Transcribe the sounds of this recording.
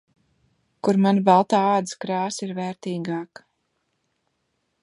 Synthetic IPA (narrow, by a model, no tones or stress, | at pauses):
kuɾmanbalˠt̪aːɑːd̪skɾɑːsiɾvɛːɾt̪iːɡɑːk